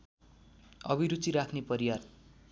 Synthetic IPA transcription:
ʌ̰biɾut͡siɾakʰnepʌɾiwar

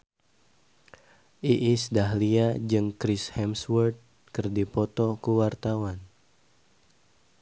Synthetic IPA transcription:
ʔiʔisdaɦliad͡ʒɨŋkɾishɛmswərd̪̚ | kɨrdipɔt̪ɔkuwart̪awan

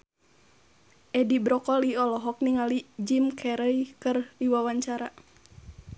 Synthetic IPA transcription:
ʔɛdibɾɔkɔliɔlɔɦɔk̚niŋalid͡ʒimkʰɛɾəjkɨrdiwawaɲt͡ʃaɾa

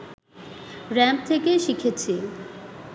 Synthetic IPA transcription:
ɾɛmt̪ʰekeʃikʰet͡ɕʰi

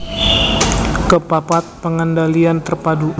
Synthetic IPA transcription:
kəpapat̪̚pəŋəndaliant̪ərpadu

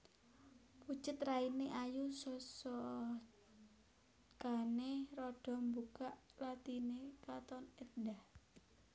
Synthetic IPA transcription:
pu̥t͡ʃət̪raineʔajusɔsɔ | kaneɾɔɖ̥ɔ̤mbukaʔlat̪inekat̪ɔnət̪ndah

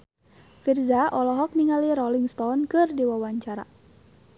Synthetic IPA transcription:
firzaʔɔlɔɦɔk̚niŋaliɾɔliŋst̪ɔnkɨrdiwawaɲt͡ʃaɾa̰

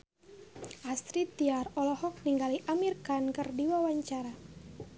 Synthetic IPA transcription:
ʔast̪ɾit̪iarɔlɔhɔk̚niŋɡaliʔamirkankɨrdiwawaɲt͡ʃaɾa

